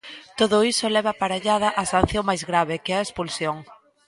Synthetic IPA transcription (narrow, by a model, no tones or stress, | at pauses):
t̪oðʊisolɛβɐpaɾaʎaðɐʔasan̟θjoŋmajzɣɾaβekɪɛɐespulsjoŋ